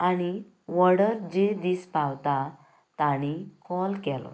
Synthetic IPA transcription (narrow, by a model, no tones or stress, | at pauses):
aɽ̃i | ʋəɽəɾd͡ʑed̪ispawt̪a | t̪aɽ̃ikɔlkɛlɔ̰